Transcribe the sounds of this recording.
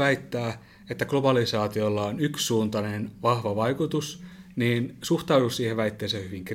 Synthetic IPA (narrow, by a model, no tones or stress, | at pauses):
æit̪ːæː | et̪ːæklobɑlisɑːt̪iolːɑonyksːuːnt̪ɑnenʋɑhʋɑʋɑikut̪usniːnsuht̪ɑudussiːheʋʋæit̪ːeːsehyʋiŋk